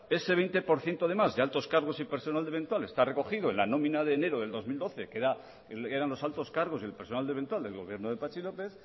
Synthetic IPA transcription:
e̞se̞β̞ejnt̪e̞po̞ɾθje̞nt̪oðe̞mazðealt̪o̞skaɾɣ̞o̞sipeɾso̞nald̪eβe̞nt̪wale̞st̪are̞ko̞xiðoenlanõ̞mĩnaðe̞ːne̞ɾoðeld̪o̞zmild̪o̞θe̞keɾa | eɾanlo̞salt̪o̞skaɾɣ̞oselpeɾso̞nald̪eβ̞e̞nt̪wald̪e̞lɣo̞βje̞ɾnoðe̞pat͡ʃilo̞pe̞θ

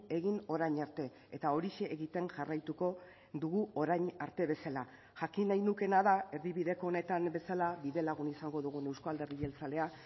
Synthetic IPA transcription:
e̞ɣino̞ɾajɲaɾt̪e̞ | et̪ao̞ɾiʃe̞ʔːɣit̪e̞ŋʝarajt̪uko̞ | ðuɣuo̞ɾajɲaɾt̪e̞βe̞sala | ʝakinajnuke̞naðae̞ɾðiβiðe̞ko̞ːne̞t̪ambe̞salaβiðe̞laɣ̞unisaŋɡo̞ðuɣ̞une̞wskoald̪e̞rie̞lt͡sale̞a

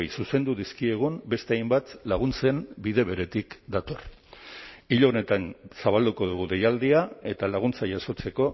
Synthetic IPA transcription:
jsuse̞nd̪uðiskie̞ɣ̞umbe̞st̪eajmbat̪laɣ̞unt͡se̞mbiðe̞βe̞ɾe̞t̪ikd̪at̪o̞r | iʎone̞t̪ansaβald̪uko̞ð̞uɣuðe̞jald̪iae̞t̪alaɣ̞unt͡saʝaso̞t͡se̞ko̞

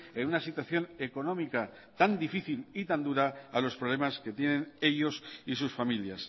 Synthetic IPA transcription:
enunasit̪waθjo̞ne̞ko̞nõ̞mika | t̪and̪ifiθilit̪and̪uɾaalo̞spɾole̞maske̞t̪je̞nẽ̞ne̞ʎo̞sisusfamiljas

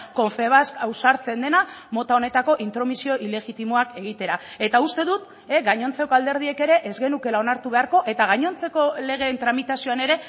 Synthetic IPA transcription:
ko̞ɱfe̞β̞askawsaɾt͡se̞nd̪e̞namo̞t̪ao̞ne̞t̪ako̞ʔint̪ɾo̞misio̞ʔile̞ɣit̪imoake̞ɣ̞it̪e̞ɾae̞t̪aust̪e̞ðut̪ | eɡaɲo̞nt͡se̞ko̞ald̪e̞ɾð̞ie̞ke̞ɾe̞ʔezɣe̞nuke̞lao̞naɾt̪uβe̞aɾko̞ʔe̞t̪aɣ̞aɲo̞nt͡se̞ko̞le̞ɣ̞e̞nt̪ɾamit̪asio̞ane̞ɾe̞

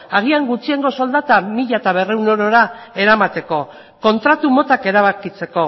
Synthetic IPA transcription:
aɣiaŋɡut͡sie̞ŋɡo̞so̞ld̪at̪amiʎat̪aβe̞re̞wno̞ɾo̞ɾae̞ɾamat̪e̞ko̞ | ko̞nt̪ɾat̪umo̞t̪ake̞ɾaβakit͡se̞ko̞

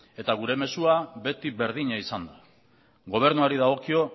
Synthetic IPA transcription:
e̞t̪aɣ̞uɾe̞me̞suabe̞t̪iβe̞ɾð̞iɲaisand̪a | ɣo̞β̞e̞ɾnuaɾiðaɣ̞o̞kio̞

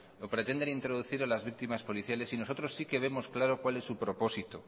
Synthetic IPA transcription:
lopɾe̞t̪e̞nd̪e̞nint̪ɾo̞ðuθiɾalazβik̚t̪imaspo̞liθjale̞sino̞so̞t̪ɾo̞sːike̞β̞e̞mo̞sklaɾo̞kwale̞sːupɾo̞po̞sit̪o

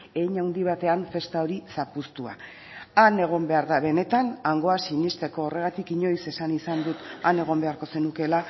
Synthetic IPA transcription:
e̞jɲawnd̪iβ̞at̪e̞aɱfe̞st̪ao̞ɾisapust̪ua̰ | ane̞ɣ̞o̞mbe̞aɾðaβe̞ne̞t̪anaŋɡo̞asiɲist̪e̞ko̞ːre̞ɣat̪ikiɲo̞jse̞sanisand̪ut̪ane̞ɣ̞o̞mbe̞aɾko̞se̞nuke̞la

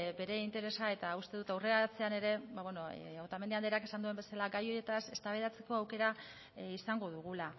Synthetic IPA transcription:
be̞ɾe̞int̪e̞ɾe̞sae̞t̪aust̪e̞ðut̪awre̞at͡se̞ane̞ɾe̞βbaβweno̞ot̪amendeand̪eake̞sand̪ue̞mbe̞salaɡajo̞je̞t̪ase̞st̪aβeðat͡se̞ko̞awke̞ɾa | isaŋɡo̞ðuɣ̞ula

